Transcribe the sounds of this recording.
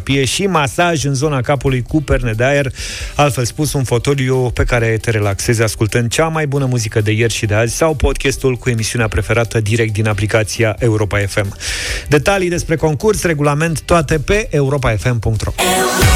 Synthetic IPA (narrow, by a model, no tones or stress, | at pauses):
pije̞ʃimasaʒɨnzo̞nakapulujkuperned̪eae̞ralt̪fe̞lspusunfo̞t̪o̞liope̞kaɾe̞t̪e̞ɾe̞lakse̞zaskult̪ənd̪̚t͡ʃamajbunəmuzikəd̪e̞je̞rʲʃid̪eazʲsawpo̞d̪̚kʲest̪ulkue̞misiuneapɾe̞fe̞ɾat̪əd̪iɾek̚t̪d̪inaplikat̪siaʔe̞uɾo̞pae̞fe̞md̪e̞t̪alijd̪e̞spɾe̞ko̞ŋkursre̞ɡulame̞nt̪ːoat̪e̞pe̞ʔeuɾo̞p̬ae̞fe̞mpuŋk̚t̪ro̞̰